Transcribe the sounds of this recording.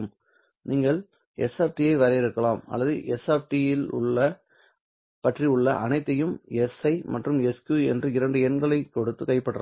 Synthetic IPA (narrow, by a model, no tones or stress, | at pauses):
m | niːŋɡɐɭ | ɛsaːp̚ʈijɐɪʋɐɾɐjɪɾɯkːɐɭaːmɐ̰lːɐðɯʔɛsaːfʈijɪlʊ̰ɭːɐ | pɐʈriʊɭːɐ̰ʔɐnɐɪt̪ːɐjɯmɛsɐɪmɐʈrɯmɛskjuːɛ̰ndrɯɪɾɐɳɖɯɛnɡɐɭɐɪkɔɽɯt̪ːɯkɐɪpːɐʈːɯɾɐ̰